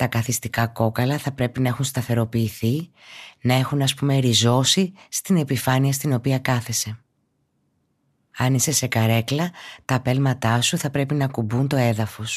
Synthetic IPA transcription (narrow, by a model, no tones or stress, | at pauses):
t̪ɐkɐθist̪ikɐko̞kɐlɐθɐpɾe̞pinɐe̞xunst̪ɐθe̞ɾo̞piːθinɐe̞xunɐspume̞ɾizo̞sist̪ine̞pifɐniɐst̪ino̞piɐkɐθe̞se̞ | ɐnise̞se̞kɐɾe̞klɐt̪ɐːpe̞lmɐt̪ɐsuθɐpɾe̞pinɐkubunt̪o̞e̞ðɐfo̞s